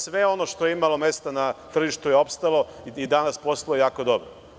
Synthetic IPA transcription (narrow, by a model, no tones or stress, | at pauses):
sʋe̞o̞noʃt̪o̞jeimalˠo̞me̞st̪anat̪r̩ʒiʃt̪ujeo̞pst̪alo̞id̪anaspo̞slˠojejaːko̞d̪o̞bɾo